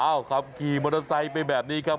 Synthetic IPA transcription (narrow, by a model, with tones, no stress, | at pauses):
ʔaː˧˩wkʰa˦˥p̚kʰiː˨˩mo˧na˧sa˧jpa˧jbɛː˨˩p̚niː˦˥kʰa˦˥p̚